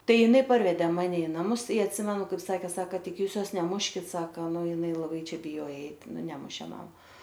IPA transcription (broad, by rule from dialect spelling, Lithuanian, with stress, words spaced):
ˈtɐɪ jɪˈnɐɪ ˈpɐrʲʋʲɛdʲɛ ˈmɑːnʲɛ ɪ nɐˈmʊs ɪ ɐtʲˈsʲɪmʲɛnʊ kɐɪp ˈsɑːkʲɛ ˈsɑːkɐ ˈtʲɪk ˈjuːs ˈjoːs nʲɛˈmʊʃʲkʲɪt ˈsɑːkɐ ˈnʊ jɪˈnɐɪ lˠɐˈbɐɪ ˈt͡ʃʲɛ bʲɪˈjoːjɛ ˈɛɪt ˈnʊ ˈnʲæːmʊʃʲeː ˈmɐm